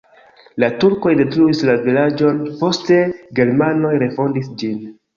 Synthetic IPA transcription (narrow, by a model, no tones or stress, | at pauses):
latuɾko̞jdetɾuislavilad͡ʒo̞npo̞ste̞ɡe̞ɾmano̞jɾe̞fo̞ndisd͡ʒin